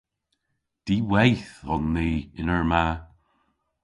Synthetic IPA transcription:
d̪̥iːwɛjθɔnːeːɪnəɹma

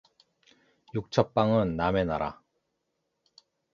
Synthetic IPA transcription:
juk̚t͡ɕʰʌp̚p͈aŋɯnːame̞naɾa̰

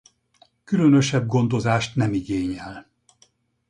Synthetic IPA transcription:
kylønøʃɛb̚ɡo̞nd̪o̞zaːʃt̪nɛmiɡeːɲɛl

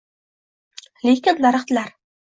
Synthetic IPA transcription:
lekʲɪnlaɾɨχt̪ɪlaɾ

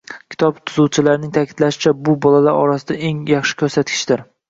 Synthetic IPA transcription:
kʲʰɪ̥t̪ʰɒbt̪ʰʊzuwt͡ʃʰɪlaɾɪnɪŋt̪ʰakʲʰɪd̪̥laʃɪ̥t͡ʃʰabʊbɒlalaɾɒ̰ɾasɪd̪ae̞ŋjɑχʃɪ̥kʲʰɵɾsat̪̚kʲʰɪ̥ʃd̪ɪɾ

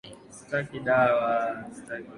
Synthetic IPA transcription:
stakiɗawasta

